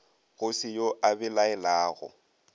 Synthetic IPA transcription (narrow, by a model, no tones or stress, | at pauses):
ɣʊsɪjoʔabɪlaɛlaːɣʊ̰